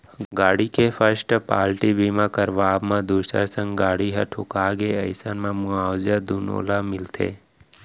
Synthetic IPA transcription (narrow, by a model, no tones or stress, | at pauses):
ɡaːɽikefəɾsʈpa̰ːlʈibiːmakəɾʋaːbmãd̪uːʃə̰ɾsə̃ŋɡaːɽiɦɐ̰ʈʰʊkaːɡeɐɪsənmãmʊaːwd͡ʒəd̪uno̰ːlamɪlt̪ʰḛː